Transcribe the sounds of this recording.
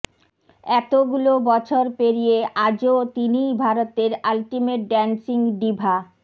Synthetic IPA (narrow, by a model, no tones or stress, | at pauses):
ɛt̪oɡulobɔt͡ɕʰoɾpeɾijeʔad͡ʑot̪inijbʱaɾot̪eɾalʈimeʈ̚ɖɛnsiŋɖibʱa